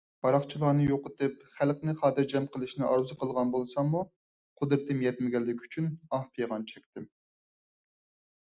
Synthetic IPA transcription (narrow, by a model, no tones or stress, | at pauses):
b̥ɑɾɑχt͡ʃʰilˠɑːnɨjoqət̪ɨpχælˠqnɪχɑːd̪ɨɾd͡ʒɛmqʰəlˠɨʃnɪʔɑɾuzɨqəlˠʁɑnbolˠsɑmːu | qʰʊd̪ɾɨt̪ʰɨmjɛt̪mɪɡʲɛlːɪkʲy̥t͡ʃʰynɑhpʰejʁɑnt͡ʃʰɛkʲt̪ʰɪm